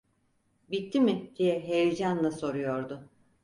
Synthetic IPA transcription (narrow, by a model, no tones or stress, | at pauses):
bit̪ʰːimɪd̪̥ijɛɦejd͡ʒanlˠaso̞ɾujo̞ɾd̪ʊ